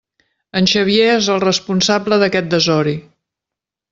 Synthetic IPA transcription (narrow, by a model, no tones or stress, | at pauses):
ənʲʃəβijeezəlˠrəspunsabləðəkɛt̪̚d̪əzɔɾi